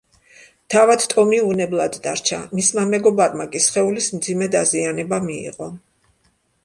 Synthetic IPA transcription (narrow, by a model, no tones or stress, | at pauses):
t̪ʰavad̪t̪ʼɔmiunɛblˠad̪ːaɾt͡ʃʰamismamɛɡɔbaɾmakʼisχɛulismd̪zimɛd̪azianɛbamiḭʁɔ